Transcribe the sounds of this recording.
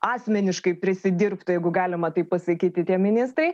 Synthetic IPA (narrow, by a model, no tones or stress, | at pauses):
ɑːsʲmʲɛnʲɪʃkɐɪpʲɾʲɪsʲɪd̪ʲɪrpt̪ʊjɛɪɡʊɡɑːlʲɪmɐt̪ɐɪppɐsɐkʲiːt̪ʲɪt̪ʲiɛmʲɪnʲɪst̪ɾɐɪ